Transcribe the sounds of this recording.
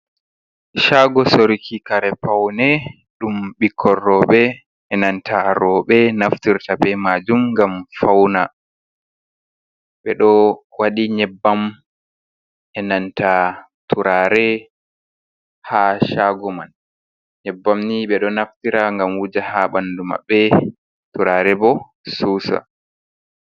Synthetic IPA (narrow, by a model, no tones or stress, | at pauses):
ʃaɡɔsoɾikʰikaɾɛpawnɛ | ɗumɓikʰːɔrːɔɓɛ | ɛnantʰaɾɔɓɛnaftiɾtabɛmaːd͡ʒumŋɡamfawna | ɓɛɗɔwaɗiɲɛbːam | ɛnanta | tuɾaːɾɛ | haʃaɡɔman | ɲɛbːamniɓɛɗɔnaftiɾaŋɡamwud͡ʒahaɓanduma̰ɓːɛ | tuɾaːɾɛbɔ | suːsa̰